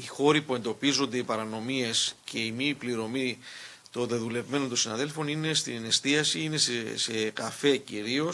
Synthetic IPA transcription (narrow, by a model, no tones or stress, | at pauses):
ixo̞ɾipue̞nd̪o̞pizo̞nd̪e̞ipɐɾɐno̞miesce̞imipliɾo̞mi | t̪o̞nðe̞ðule̞vme̞no̞nt̪onsinɐðe̞lfo̞nine̞st̪ine̞st̪iɐsiine̞ssekɐfe̞ciɾio̞s